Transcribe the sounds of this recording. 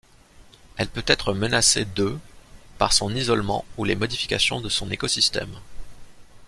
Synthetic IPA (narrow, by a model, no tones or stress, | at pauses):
ɛlpøt̪ɛt̪χəmənased̪øpaʁsɔ̃nizɔlmɑ̰̃ulemɔd̪ifi̥kʲasjɔ̃d̪əsɔ̃nekɔsist̪ɛ̰m